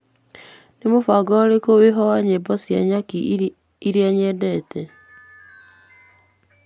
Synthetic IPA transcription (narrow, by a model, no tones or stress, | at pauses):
nemofaɡɔɾekoweɦɔwaɲebɔsjaɲaki | iɾjaɲɛdɛtɛ